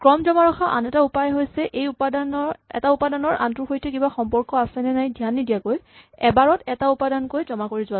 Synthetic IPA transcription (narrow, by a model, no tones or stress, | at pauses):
kɹɔmzɔmaɹɔxʰaʔa̰nɛtaupajɦojsɛʔejupadanɔɹɛ̰taupadanɔɹʔa̰ntuxotʰɛkibaxɔmpɔɹkɔasɛnɛnajdʱijanːidijakoj | ɛbaɹɔtɛtaupadankojzɔmakoɹizʊa